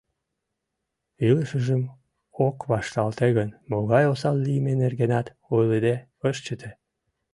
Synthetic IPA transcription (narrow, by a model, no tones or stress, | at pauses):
iləʃəʒəm | okβɑʃt̪ɑlt̪eɣənmoɣɑjosɑlːimenerɣenɑt̪ | ojled̪e | əʃt͡ɕət̪ʰe